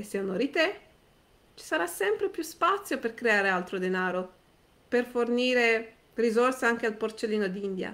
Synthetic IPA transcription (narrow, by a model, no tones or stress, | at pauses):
eseonoɾit̪e | t͡ʃi̥saɾasːɛmpɾepjuspat̪sːjoperkɾeaːɾealt̪ɾod̪enaːɾo | perforniːɾe | rizorseaŋk̟ealport͡ʃelːiːnod̪ind̪ja̰